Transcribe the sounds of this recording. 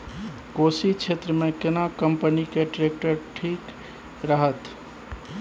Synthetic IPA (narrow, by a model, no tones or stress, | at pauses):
kosit͡ʃʰet̪ɾəmekɪnakəmpənikeɖɾek̚ʈəɾʈʰik | ɾəɦət̪